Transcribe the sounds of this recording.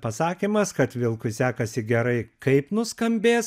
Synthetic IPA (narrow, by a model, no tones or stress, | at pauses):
pɐsɑːkʲiːmɐskɐt̪ʋʲɪlˠkʊɪsʲæːkɐsʲɪɡʲɛɾɐɪkɐɪpnʊskɐmʲbʲeːs